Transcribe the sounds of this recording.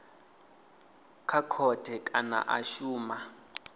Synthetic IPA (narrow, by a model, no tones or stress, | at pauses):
kʰakʰɔd̥ʱɛkʼana̰ʔaʃuːma